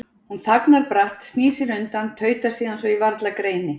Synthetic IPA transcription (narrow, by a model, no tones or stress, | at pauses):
hunθaknaɾpɾaht̪st̪niːsɪɾʏnt̪ant̪ʰœːɥt̪ḁsiːðansvɔivaɾt̪lakɾeːjnɪ